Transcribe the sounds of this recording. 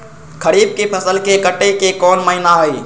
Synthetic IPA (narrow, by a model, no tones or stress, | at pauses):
kʰəɾiːb̚kepʰəsəlkekəʈekekɔːnməɦinaɦoi